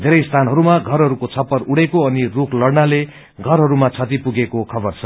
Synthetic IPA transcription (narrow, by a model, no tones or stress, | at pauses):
d̪ʱeɾʌjst̪ʰanɦʌɾumaɡʱʌrɦʌɾukot͡sʰʌpːʌruɽekoʌnirukʰlʌɽnale | ɡʱʌrɦʌɾumat͡sʰʌt̪ipuɡekokʰʌbʌrt͡sʰʌ